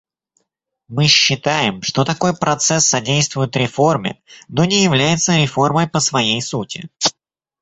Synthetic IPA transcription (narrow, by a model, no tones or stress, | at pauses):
mɨɕːɪt̪ajɪmʂt̪o̞t̪ɐko̞jpɾɐt̪sɛsːɐdʲejst̪vʊjʊt̪ɾʲɪfo̞rmʲɪ̰no̞nʲɪjɪvlʲæjɪt̪səɾʲɪfo̞rməjpəsvɐjejsutʲɪ̰